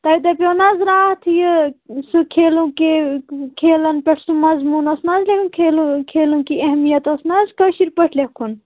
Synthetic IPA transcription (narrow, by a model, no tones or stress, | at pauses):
t̪ɐid̪ɐpʲjoːnaːzɾaːt̪ʰjɨsɨkʰeːlukekʰeːlɐnpʲeʈʰsumɐzmuːnɐsnaːzlekʰunkʰeːlukʰeːlũkiɐɦmijɐt̪ɐsnaːzkɐwʃiɾpɐʈʰlekʰun